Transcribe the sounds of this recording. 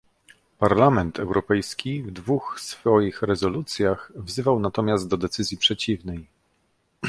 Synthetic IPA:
paɾlamɛnt̪ʰɛwɾʔɔpɛjskʲivd̪vuxsfɔjixɾɛzɔlut̪sʲjaxvzɘvawnat̪ɔmʲjazt̪̚d̪ɔd̪ɛt̪sɘzʲjipʂɛt͡ɕivnɛj

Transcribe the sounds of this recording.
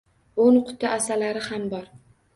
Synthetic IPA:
onqʰʊ̥t̪ʰːaʔasalaɾɪhambɒɾ

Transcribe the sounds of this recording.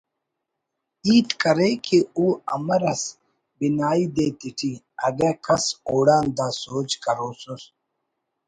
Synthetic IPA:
iːt̪kɐɾeːkeuːɐ̰mɐɾɐs | binaːiːd̪eːt̪iʈʰi | ɐɡekʰɐsoːɽaːnd̪aːsoːt͡ʃkɐɾoːsus

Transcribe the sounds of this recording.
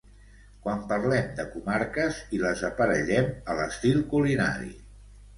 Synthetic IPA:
kwampəɾlɛmd̪əkumaɾkəziləzəpəɾəʎɛmələst̪ilˠkulina̰ɾḭ

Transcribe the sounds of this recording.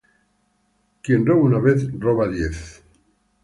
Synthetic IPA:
kjenroβunaβeθroβaðjeθ

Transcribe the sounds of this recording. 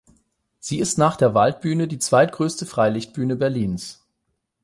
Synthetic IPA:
z̥iːɪstnaːχd̥eːɐvalt̚b̥yːnədiːt͡sv̥aɪtɡ̥ʁøːstəfʁ̥aɪlɪçt̚b̥yːnəbɛɐliːns

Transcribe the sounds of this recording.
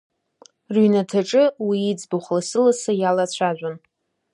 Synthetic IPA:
rɥinatʰaʈ͡ʂʼɨwiːd͡zbuχlasɨlasajalat͡ɕʷʰaʒʷᶣan

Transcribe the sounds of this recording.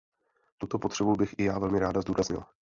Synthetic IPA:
t̪ut̪o̞po̞t̪r̥ɛbubɪxʔɪjaːvɛlmɪɾaːdazd̪uːɾazɲɪ̰la

